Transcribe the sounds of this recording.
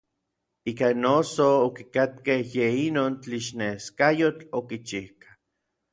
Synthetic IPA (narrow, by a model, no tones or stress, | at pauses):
iːkanosoːkikat̪̚kehjeinoːnt͡ɬiʃneskajot͡ɬokit͡ʃihkḁ